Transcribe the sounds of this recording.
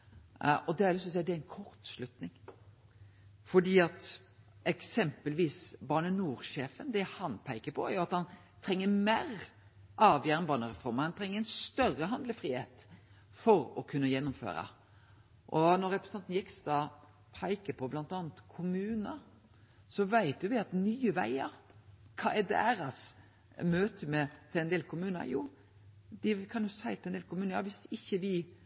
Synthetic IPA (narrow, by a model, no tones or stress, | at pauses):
ɔd̪ɛæɾlʏst̪ɔsɛɪəd̪ɛæɪnkʰɔɾt̪slʉt̪nɪŋ | fɔɖiːɑt̪ | ɛksɛmpəlʋiːsbɑːɳənuːɾʃeːfənd̪ɛhɑnpʰæɪkəpʰɔæ̰ɾjʊɑt̪hɑn | t̪ʰɾɛŋːəmeːɾ | ʔɑːʋjæːɾənbɑːnəɾɛfɔɾməɾhɑnt̪ʰɾɛŋːəɛnst̪œrːəɦɑnd̪ləfɾiːhḛːt̪ | fɔɾɔkʰʉnːəjɛnːʊmfø̰ːɾə̰ | ʔɔnɔɾɾɛpɾsɛnt̪n̩jɪkst̪ɑ | pʰɑɪkəpʰɔblɑnt̪ɑːnt̪kʰʊmʉːnəɾ | sɔʋæɪt̪jʊʋɪɑt̪nyːəʋæ̰ɪə̰ɾkʰɑ̰ːʔɛd̪æ̰ːɾɑs | møːt̪ʰəmɛt̪ʰɪlɛnd̪eːlkʰʊmʉːnə̰juː | d̪ɪkʰɑnjʊsæɪt̪ɪlɛnd̪eːlkʰʊmʉːnəɾjɑːʋɪsɪçːəʋɪ